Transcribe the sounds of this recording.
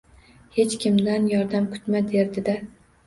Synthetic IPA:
he̞t͡ʃkʲʰɪmd̪anjɒɾd̪amkʰʊ̥t̪mad̪eɾd̪ɪd̪a

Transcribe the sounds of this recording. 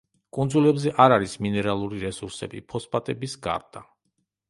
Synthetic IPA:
kʼund̪zulɛbzɛʔaɾaɾisminɛɾalˠuɾiɾɛsuɾsɛ̰bḭpʰɔspʼat̪ʼɛbisɡa̰ɾd̪̥a

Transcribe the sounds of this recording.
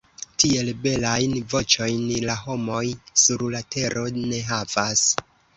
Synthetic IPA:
tie̞lbe̞lajnvo̞t͡ʃo̞jnlaɦo̞mo̞jsuɾlatʰe̞ɾʔo̞ne̞ɦavas

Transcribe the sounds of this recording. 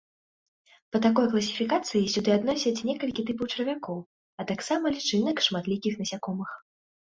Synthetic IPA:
pɐt̪akɔjklˠɐsʲi̥fʲikat̪sɨjisʲud̪ɨad̪nɔsʲɐt͡sʲnʲɛkɐlʲkʲit̪ɨpɐwt͡ʂɐɾvʲakɔw | ɐt̪aksamɐlʲit͡ʂɨnɐkʂmat̪lʲikʲixnɐsʲakɔmɨx

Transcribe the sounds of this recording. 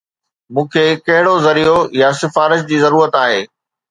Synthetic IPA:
mũːkʰeːkɐɦɪɽozɐɾiojasɪfaːɾɪʃ̬d͡ʑiːzɐɾuːɾət̪aːɦeː

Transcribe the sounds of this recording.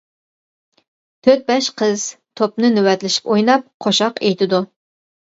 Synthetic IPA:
t̪ʰøt̪̚bɛʃqʰəz̥t̪ʰop̚nɨnywɛt̪lɪʃi̥pojnɑp̚qʰoʃɑqejt̪ʰɪd̪u

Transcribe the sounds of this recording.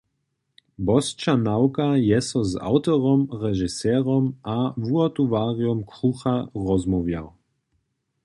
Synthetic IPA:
bɔst͡ʃanawkajɛsɔza̰wt̪ɔʁɔmʁɛʒisɛːɾɔmavuɔt̪uvaːʁijɔmkɾuxaʁɔzmɔvja̰w

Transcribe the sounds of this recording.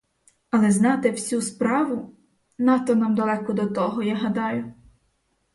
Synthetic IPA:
ɐlˠɛznɑt̪ewsʲuspɾɑʋʊ | nɑt̪ɔnɑmd̪ɐlˠɛkɔd̪ɔt̪ɔɦɔjaɦɐd̪ɑjʊ

